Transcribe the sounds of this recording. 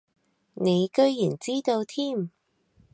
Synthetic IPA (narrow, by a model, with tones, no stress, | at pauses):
ne˨˧jkɵ˥ɥjyː˨˩nt͡siː˥t̪o˧wt̪ʰiː˥m